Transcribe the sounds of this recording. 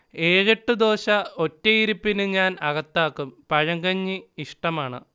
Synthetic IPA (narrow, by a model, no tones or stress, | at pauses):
e̞ːɻɐʈːɨd̪o̞ːɕɐo̞tːɐjiɾupːinɨɲaːnɐɣɐt̪ːaːkːumpɐɻɐŋɡɐɲːɨiʂʈɐmaːɳɨ̰